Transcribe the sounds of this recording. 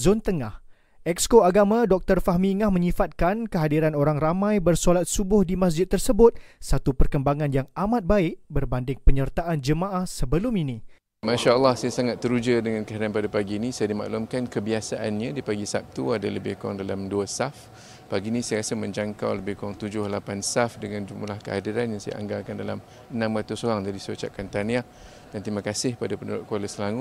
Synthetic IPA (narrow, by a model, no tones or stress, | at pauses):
zont̪əŋah | ʔɛkskoaɡamãdɔk̚t̪ərfaɦmiŋahmə̃ɲĩfat̪̚kankəɦadiɾanoɾaŋramãjbərsolat̪̚subʊhdimas̬d͡ʒɪd̪̚t̪ːərsəbʊt̪̚sat̪upərkəmbaŋanjaŋamat̪̚baɪʔ̚bərbandɪŋpəɲərt̪aʔand͡ʒəmaʔahsəbəlʊmini | maʃaəlˠːɑhsajasaŋat̪ːəɾud͡ʒədəŋankəɦadianpadapaɡiːnĩsajadima̰ʔlumkankəbiasaʔanɲãdipaɡisa̰p̚t̪uadaləbɪhka̰ŋdalamduasaf | paɡinĩsajɾasəmə̃ɲd͡ʒaŋkawləbɪhkuaŋt̪ud͡ʒʊhlapansafdəŋãnd͡ʒumlahkə̰hadiɾanjaŋsaja̰ʔa̰ŋɡalkandala̰m | ənãmrat̪ʊsoɾaŋd͡ʒadisəot͡ʃa̰ʔ̚kant̪ania | dant̪imãkasɪhpadapənudʊʔ̚kwaləsəlaŋʊ